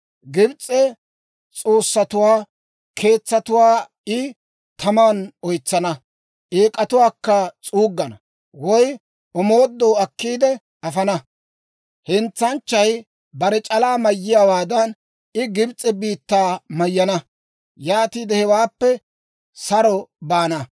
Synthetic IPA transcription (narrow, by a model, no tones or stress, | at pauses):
ɡɪbt͡sʼːɛ | t͡sʼo̞ːsːɐt̪ʊwaː | kʰe̞ːt͡sːɐt̪ʊwaː | ɪ | t̪ʰɐmaːnɔjt͡sːɐnɐ | ʔeːkʼɐt̪ʊwaːkːɐt͡sʼuːɡːɐnɐ | wɔj | ɔmo̞ːd̪ːoːɐkːiːd̪ɛ | ɐfɐnɐ | hɪnt͡sːɐnt͡ʃːɐj | bɐɾɛt͡ʃʼɐlaːmɐjːɪjawaːd̪ɐn | ɪɡɪbt͡sʼɛbiːt̪ːaːmɐjːɐnɐ | jaːt̪iːd̪ɛhɛwaːpːɛ | sɐɾɔbaːnɐ